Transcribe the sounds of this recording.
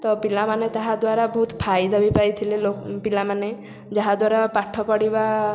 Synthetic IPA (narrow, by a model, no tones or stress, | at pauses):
t̪ɔpilamanet̪aɦad̪waɾabɔɦut̪pʰajd̪ʱabipajt̪ʰilelopilamane | d͡ʒaɦad̪waɾapaʈʰɔpɔɽiba